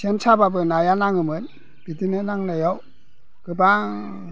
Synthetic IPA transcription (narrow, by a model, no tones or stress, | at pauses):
sʰensʰababɯnajanaŋɯmɯt̚ | b̥itinɯnaŋnajɔw | kɯba